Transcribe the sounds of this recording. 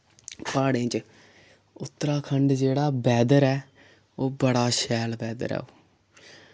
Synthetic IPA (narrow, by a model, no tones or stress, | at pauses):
paːɽẽːt͡ʃ | ʊt̪ːɾaːkʰəɳɖd͡ʒeːɽaːbɛːd̪əɾɛː | oːbəɽaːʃɛːlbɛːd̪ə̰ɾɛ̰ːoː